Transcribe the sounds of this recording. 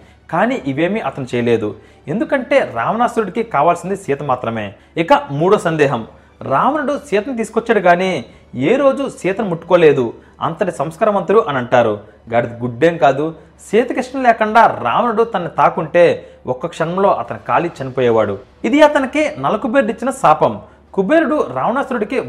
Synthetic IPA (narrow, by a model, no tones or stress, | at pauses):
kaːniːʔiʋe̞ːmiʔɐt̪ɐnut͡ʃɛːjɐle̞ːd̪u | e̞nd̪ukɐɳʈe̞ːɾaːʋɐnaːsuɾuɽikikaːʋaːlsind̪isiːt̪ɐmaːt̪ɾɐme̞ː | ikɐmuːɽoːsɐnd̪ɛːɦɐm | ɾaːʋɐnɐɽut͡ʃiːt̪ɐnt̪̬iːsu̥kɔt͡ʃːaːɽiɡaːni | eːɾo̞ːd͡ʒusiːt̪ɐnɐmuʈːu̥ko̞ːle̞ːd̪u | ɐ̰nt̪ɐʈisɐmskaːɾɐmɐnt̪uɽuʔɐnɐɳʈaːɾu | ɡɐːɽit̪iɡuɖːeːmkaːd̪u | siːt̪ɐkɾiʂʈɐmlɛːkɐɳɖaːɾa̰ːʋɐnɐɽut̪ɐnːit̪aːkuɳʈe̞ːɔkːɐkʂɐnɐmlo̞ːʔɐt̪ɐnikaːlit͡ʃɐnipoːjɛːʋaːɽṵ | id̪iɐt̪ɐnikinɐlɐkubeːɾuɽit͡ʃːinɐsaːpɐm | kubeːɾuɽuɾaːʋɐnaːsuɾuɽiki